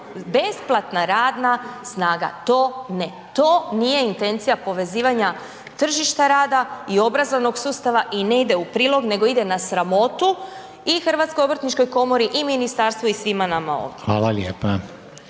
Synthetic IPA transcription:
be̞splˠat̪naɾaːd̪nasnaːɡa̰t̪oːne | t̪o̞ːnije̞int̪e̞nt̪sijapo̞ʋe̞ziːʋaɲa | t̪r̩ʒiʃt̪aɾaːd̪aio̞bɾazoʋno̞ɡsuːst̪aʋaʔine̞id̪e̞upɾiːlˠo̞ɡne̞ɡo̞id̪e̞nasɾamo̞t̪u | ixr̩ʋat̪sko̞jo̞bɾət̪nit͡ʃko̞jko̞mo̞ɾiʔiminist̪aɾst̪ʋuisʋimanamao̰ʋd̪ʋaːlaljeːpa

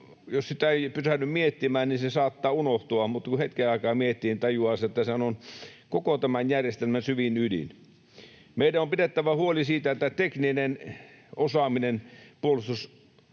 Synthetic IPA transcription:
jossit̪æeipyrænːˑymmiet̪ːimæːnninsesɑːt̪ːɑːunoht̪uɑmut̪ːˑɑkuhet̪keɑˑikɑːmiet̪ːiːnt̪ɑjuɑːset̪ːæseænonkokot̪æmænjærjest̪elmænsyʋinydḭn | meidæompidet̪ːæʋæhuolisiːt̪æet̪ːæt̪ekninen | osɑminenpuolust̪us

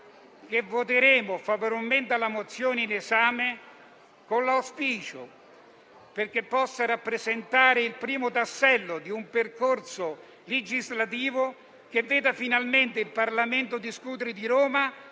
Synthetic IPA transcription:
k̟evːot̪̬eɾeːmʊfavoɾolment̪alːamot̪sːjoːneinezaːme | konlawspiːt͡ʃʊ | perk̟epːɔsːaɾapːɾezent̪aːɾɪilpɾiːmʊt̪asːɛlːʊd̪iumperkorsʊ | led͡ʒizlat̪̬iːvʊ | k̟evːeːd̪afinalment̪eilparlament̪ʊd̪iskuːt̪̬eɾɪd̪iɾoːma

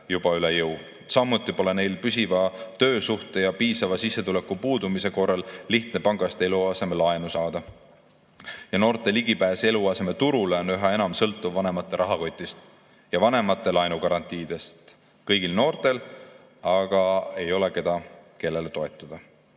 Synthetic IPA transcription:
jub̥ɑylejɤw | sɑmːut̪ːˑipo̞le̞ne̞jlpysivɑt̪ø̞ːsuht̪e̞jɑpiːsɑvɑsisːe̞t̪ule̞kːˑupuːd̪umise̞ko̞rːɑlːiht̪ne̞pɑŋɡ̥ɑst̪e̞luɑse̞me̞lɑenusɑːd̪̥ɑ | jɑno̞ːrt̪ːˑe̞liɡ̥ipæːse̞luɑse̞met̪uɾuleonyɦɑe̞nɑmsɤlt̪ːˑuvːɑne̞mɑt̪ːˑe̞ɾɑɦɑko̞jt̪ʲːˑist̪ | jɑvɑne̞mɑt̪ːˑe̞lɑjnukɑɾɑnt̪ʲˑiːd̪̥e̞st̪ | kɤjɡ̥ilno̞ːrt̪e̞l | ɑɡ̥ɑe̞jo̞le̞ke̞d̪ɑke̞lːe̞let̪o̞e̞t̪ːˑud̪̥ɑ

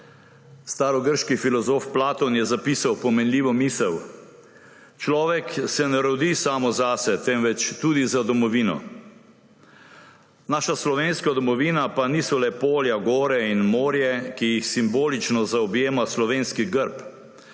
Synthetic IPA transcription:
st̪aːɾɔɡəɾʃkifilɔzoːfplaːt̪ɔnjɛzapiːsawpɔmɛnliːʋɔmiːsɛw | t͡ʃlɔːʋɛksɛnɛɾɔd̪isaːmɔzaːsɛt̪ɛmʋɛt͡ʃt̪uːd̪izad̪ɔmɔʋiːnɔ̰ | naːʃaslɔʋeːnskad̪ɔmɔʋiːnapaniːsɔlɛpoːljaɡoːɾɛinmoːɾjɛkijixsimboːlit͡ʃnɔzaɔbjeːmaslɔʋeːnskiɡəɾp

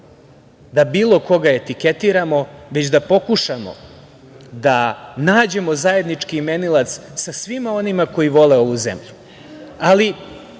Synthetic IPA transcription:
d̪abiːlˠo̞ko̞ɡae̞t̪ike̞t̪iɾamo̞ʋe̞t͡ɕd̪apo̞kuʃamo̞̰ | d̪anaːd͡ʑe̞mo̞zaje̞d̪nit͡ʂkime̞nilat̪ssasʋimao̞nimako̞jiʋo̞le̞o̞ʋuzḛmʎu | ali

